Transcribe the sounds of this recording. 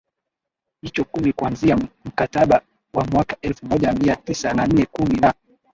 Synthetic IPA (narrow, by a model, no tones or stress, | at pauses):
hit͡ʃɔkumikuanziam̩kataɓa | wamwakaɛlfumɔʄamiatisanan̩nɛkumina